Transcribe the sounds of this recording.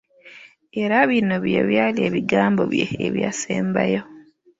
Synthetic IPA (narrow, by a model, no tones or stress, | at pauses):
eɾaβinoβjḛβjaːlieːβiɡaːmbo̞̰βjḛeβjaseːmbajo